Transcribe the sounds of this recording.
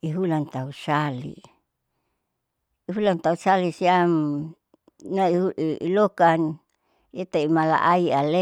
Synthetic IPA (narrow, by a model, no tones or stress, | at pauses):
iɦulant̪ausalḭ | iɦulant̪ausalisiam | nauʔilokan | it̪aimala̰ʔaiale